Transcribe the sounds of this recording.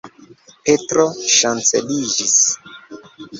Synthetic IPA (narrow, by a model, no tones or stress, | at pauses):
petɾoʃant͡sḛlid͡ʒis